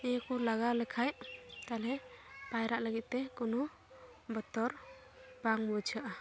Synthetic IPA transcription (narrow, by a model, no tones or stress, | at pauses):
ɛkɔlaɡalɛkʰajʔt̪alɛpajɾaʔləɡit̪̚ˀt̪ɛkunu | bɔt̪ɔɾ | baŋbɔt͡ʃʰaʔa